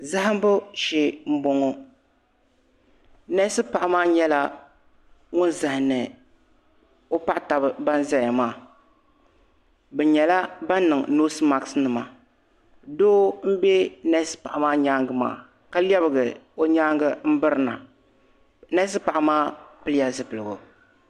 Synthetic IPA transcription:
za˦ɦɨ˦m˦bʊ˦ʃɛ˦m̩˦bo˦ŋo˦ | nɛ˦sɨ˦pa˨ʔa˦maː˦ɲɛ˦la˦ | ŋʊ˦nza˨hɪ˨nɨ˨ | o˦pa˦ʔta˨bɨ˦ba˦n˦za˦ja˨maː˦˨ | bɛ˨ɲɛ˨la˦ba˦n˦nːɨ˨ŋ˨noː˦sɨ˦ma˦ksnɨ˨ma˨ | doː˦m̩˦bɛ˦nɛ˦sɨ̥˦pa˨ʔa˨maː˦ɲaː˦ŋɡɨ˦ma̰ː˦˨ | ka˦li˦ɛ˦bɨ˨ɡɨ˨o˦ɲaː˦ŋɡɨ˦m̩˦bɨ˦ɾɨ˦na̰˨ | nɛ˦s̬ɨ˦pa˨ʔa˨maː˦pɨ˦lɪ˦ja˦zɨ˨pɨ˨lɨ˨ɡʊ̰˨

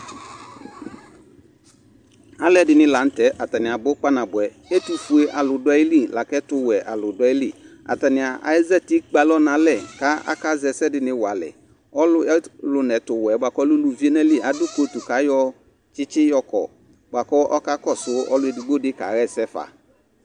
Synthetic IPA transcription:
a˨lɛ˦dɪ˨nɪ̃˦la˨˦n̩˦tɛ˨˦ʔa˨ta˨nɪ˨a˨bo˦k͡pa˦nã˨bʊ˨ɛ˨ | e˦tu˨fu˨e˦ʔa˨lʊ˨dʊ˦a˦i˦li˦˨la˨kɛ˦tʊ˦wɛ˨ʔa˨lʊ˨da˦i˦li˦˨ | a̰˨ta˨nɪ˨a˨ʔa̰˨ɛ˦zɛ˦ti˦k͡pa˨lɔ˦nã˨lɛ˨ka˦a̰˦ka˦zɛ˨sɛ˦dɪ˨nɪ̃˦wa˨lɛ̰˨ | ɔ˦lʊ˦ɛ˦lʊ˨nɛ˨tʊ˨wɛ˨ba˨kɔ˦lʊ˦lu˨vi˦e˦nɛ˦li˦˨ʔa˨dʊ˦ko˨˦tu˨ka˨˦jɔ˦ | t͡ʃɪ˦t͡ʃɪ˦jɔ˦kɔ̰˨ | ba˨kɔ˦ʔɔ˦ka˦kɔ˦˨sʊ˨˦ɔ̰˦lʊ˦ɛ˨di˨ɡ͡bo˦dɪ˦ka̰˨ɣɛ˦˨sɛ˦fa̰˨

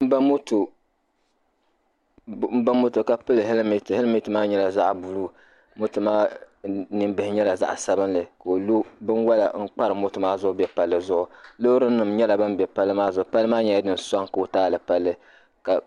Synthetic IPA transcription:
m̩˦ba˦mʊ˦tu˨ | m̩˦ba˦mʊ˦tɨ˨ka˨pɨ˦lɨ˨ɦe˦lmi˦the˦lmi˦tɨ˨maː˦ɲɛ˦la˨za˦ʔbu˨lu˦ | mʊ˦tɨ˨maː˦ | nɨ˦mbɨ˨hɪ˨ɲɛ˦la˨za̰˦ʔsa˦bɨ˦nlɨ˨ka˨o˨lu˦bɨ˦nwa˦la̰˨ŋ̩˦k͡pa˦ɾɨ˨mʊ˦tʊ˨maː˦zʊ˦ʔʊ˦bɛ˦pa˨lːɨ˦zʊ˦ʔʊ˨lo˦ɾɨ˦n̩˦nɨ˨mɲɛ˦la˨ba˦mbɛ˨pa˦lːɨ˦maː˦zʊ˨ʊ˨pa˦lɨ˦maː˦ɲɛ˦a˦dɨ˦n̩˨sa˦ŋka˨o˨taː˦˨lɨ˨pa˦lːɨ˦ | ka˨

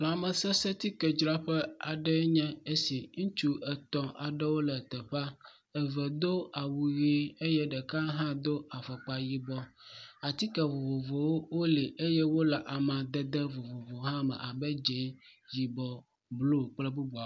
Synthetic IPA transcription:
la˨mɛ̃˨sɛ˦sɛ˦t̪i˦kɛ˨d͡ʒɾa˦ɸɛ˦a˨ɖɛ˦ɲɛ̃˦e˦si˨ŋũ˦t͡ʃu˦ɛ˨t̪ɔ̃˨ʔa˨ɖɛ˦wo˦lɛ˨t̪ɛ˨ɸa˦ | ɛ˨vɛ˨d̪o˦a˨wu˨ɣi˦e˦jɛ˦ɖɛ˨ka˦ɦã˦d̪o˦a˨fɔ˨k͡pa˨ji˨bɔ˦a˨t̪i˦kɛ˨vo˨vo˨vo˨wo˦wo˦li˨ʔe˦jɛ˦wo˦lɛ˨ʔa˨mã˨d̪ɛ˦d̪ɛ˦vo˨vo˨vo˨ɦã˦mɛ̰̃˨ʔa˨bɛ˦d͡ʒɛ˨˦ji˨bɔ˨ | blo˦˨k͡plɛ˦bu˦bu˨a˨˦

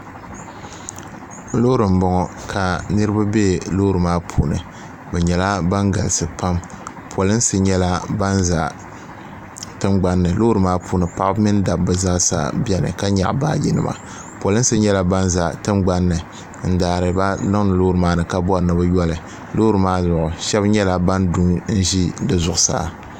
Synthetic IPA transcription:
loː˦ɾɨ˨m̩˦bɔ˦ŋɔ˨kʰa˨nɨ˦ɾɨ˦ba˦be˦lo˦ɾɨ˨maː˦pʰuː˨nɨ̰˨ | bɛ˨ɲɛ˨la˦ba˦ŋɡa̰˨lsɨ˨pa˦m | pʰɔ˨lɨ˦n̩˦sɨ˦ɲɛ˦la˦ba˦nza˨ | tɨ˦mɡ͡ba˦nːɨ˨loː˦ɾɨ˨maː˦pʰuː˨nɨ˨pa˦ʔmɨ˦nda˨b̚bɨ˨za˦ʔsa̰˨bɛ˦nɨ̰˨ka˦ɲa̰˨ʔbaː˦ji˦nɨ̰˨ma̰˨ | pɔ˨lɨ˦n̩˦sɨ˦ɲɛ˦la˦ba˦nza˨tɨ˦mɡ͡ba˦nːɨ˨ | n̩˦daː˨ɾɨ˨ba˦na˦ŋ˦nɨ˨lo˦ɾɨ˨maː˦nɨ˨ka˦bɔ˦˨nɨ˨bɨ˦jɔ˦lɨ˨ | lo˦ɾɨ˨maː˦zʊ˨ʔʊ˨ʃɛ˦bɲɛ˦la˦ba˦ndu˦ŋn̩˦ʒi˦dɨ˨zʊ˨ʔʊ˨sa̰ː˦

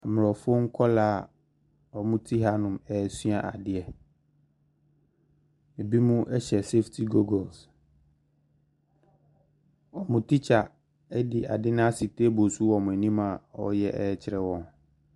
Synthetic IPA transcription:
a˨m˨ɾɔ˨fo˦ŋ̩˦kʰɔ˦laː˦˨ | ɔ˨mʊ̃˦tʰi˦ɦa˦nʊ̃˨mɛ˨sɥa˨ʔa˨dɪ˨ɛ˨ | e˨bi˦mũ˦ʔɛ˦ɕɛ˨se˦ftʰi˨ɡo˦ɡɔ˨ls | ɔ˨mʊ̃˨tʰi˦t͡ɕʰa˨ | ɛ˦dɪ˨ʔa˨dɪ˦nʊ̃˦a˦si˨teː˦bo˨su˦wɔ˨mʊ̃˨æ˨nĩ˦mã˨ɔ̰˦jɛ˦ʔɛː˦t͡ɕʰɪ˨ɾɛ˦wɔ̃˨n

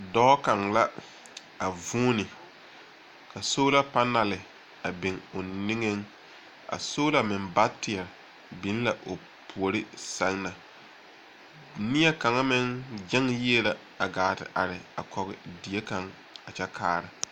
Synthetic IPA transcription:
dɔ˦ka˨ŋla˦ | a˨vuː˦nɪ˨ | ka˨soː˦la˦pa˦na˨lɪ˨ | a˨bɪ˨ŋʊ˨nɪ˦ŋe˦ŋ | a̰˨soː˦la˦mɪ˨nba˦tɪ˨ɛ˨ɾ | bɪ˨˦n˦la˨ʔo˨ | pʰu˨o˨ɾɪ˦sa˦ŋna˨ | nɪ˦ɛ˦ka˨ŋa˦mɪ˦ŋd͡ʒɛ˦ŋji˦e˦la˨ | a˨ɡaː˨tɪ̰˨ʔa˨ɾɪ˨a˨kɔ˨ɣɪ˨di˨e˦ka˨ŋ | a˨t͡ʃɛ˦kʰaː˦˨ɾɪ˨

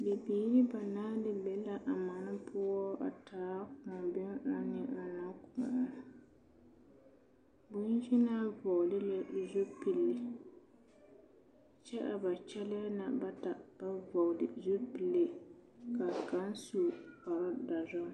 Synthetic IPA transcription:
dɪ˨biː˨˦ɾi˦ba˨naː˦dɨ˨bɛ˨la˦ʔa˨ma˨nɨ˦pʰʊ˦ɔ˦ʔa˨tʰaː˨˦kʊ˨bɪ˦ŋa˦nɪ˦ʔa˨na˦kʊ̰˨ʊ˦ | bʊ˦n˦ʒi˦na˦vɔ˨dɪ˦la˦˨zu˦pi˨lːi˨ | t͡ʃɛ˦ʔa˨ba˨t͡ʃɛ˦lɪ˦ja˦na˨ba˦ta˨b̥a˦vɔ˨dɪ˨zu˦pi˨lːe˦ka˨ka˦n˦su˨ka˨ɾɔ˦da˨zɔ˦

